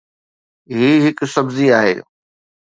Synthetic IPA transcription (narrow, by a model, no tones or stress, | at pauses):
ɦiːɦɪksɐbziaːɦḛː